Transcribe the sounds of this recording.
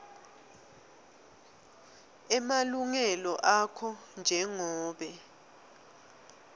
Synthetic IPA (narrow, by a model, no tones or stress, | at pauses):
ɛmaluŋɛlɔʔakʰɔnd͡ʒʱɛŋɔːɓɛ